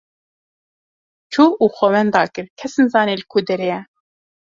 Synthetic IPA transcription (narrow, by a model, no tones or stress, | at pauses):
t͡ʃʰuːuːxɔwɛnd̪ɑːkɨɾkʰɛsɨnzɑːneːlɨkʰud̪ɛɾejɛ